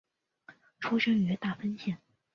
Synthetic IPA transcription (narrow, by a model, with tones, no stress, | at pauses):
ʈ͡ʂʰu˥ʂə˥ŋy˧˥t̪a˥˩fə˥nɕjɛ˥˩n